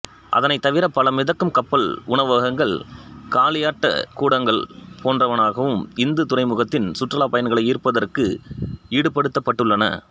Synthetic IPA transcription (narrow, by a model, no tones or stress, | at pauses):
ʔɐ̰ðɐnɐɪt̪ːɐʋɪɾɐpːɐlɐmɪðɐkːɯmkɐpːɐɭʊɳɐʋaːɣɐŋɡɐɭkaːlɪjaːʈːɐ̰kuːɽɐŋɡɐɭpʰoːndrɐʋɐnaːɣɐʋɯmɪnd̪ɯt̪ʊrɐɪmʊɣɐt̪ːɪnsʊʈːrɐlaːpɐjɐnɡɐɭɐɪiːɾpɐðɐrkɯiːɽɯpɐɽɯt̪ːɐpːɐʈːɯɭːɐnɐ̰